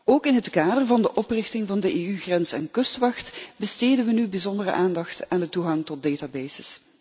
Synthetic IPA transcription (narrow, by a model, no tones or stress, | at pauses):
oːkɪnɦətkaːdərvɑndəʔɔprɪxtɪŋvɑndəʔeːyɣrɛnsɛ̰nkɵstʋɑxtbəsteːdənʋənybizɔndərə̰ʔaːndɑxtandətuɣɑŋtɔt̚deːtaːbɛːjz̥ɪs